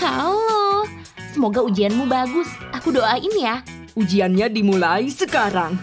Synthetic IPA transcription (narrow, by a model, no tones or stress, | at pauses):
hao | səmoɡaud͡ʒianmubaɡʊsʔakudoʔainja | ʔud͡ʒianɲadimulaisəkaɾaŋ